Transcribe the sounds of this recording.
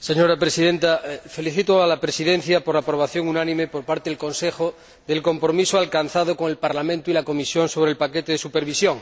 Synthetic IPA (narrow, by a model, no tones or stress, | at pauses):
seɲoɾapɾesiðẽnt̪afe̞liθit̪oalapɾesiðen̟θjapoɾlapɾo̞β̞aθjo̞ŋunãnĩmepoɾpaɾt̪eðelkõ̞nsexo | ðe̞lko̞mpɾomisoalkan̟θaðoko̞ŋelpaɾlamẽnt̪oilako̞misjonso̞β̞ɾelpaket̪eðesupeɾβisjõ̞ŋ